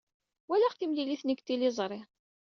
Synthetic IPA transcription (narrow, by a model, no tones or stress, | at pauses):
wælæʁθimliliθnəɡt̪ːilɪzˤɾˤɪʁ